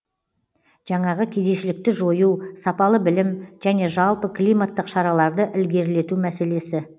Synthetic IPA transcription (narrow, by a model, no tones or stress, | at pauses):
ʒ̥ɑɴɑʁəkʲʰed̪e̞ʃɪlɪk̚t̪ɪʒo̞jusɑpɑlˠəbɪlɪmʒæne̞ʒɑlˠpəkʰlˠijmat̪ːəqʃɑɾɑlˠɑɾd̪əʔɪlɡʲe̞ɾle̞t̪umæse̞le̞sɪ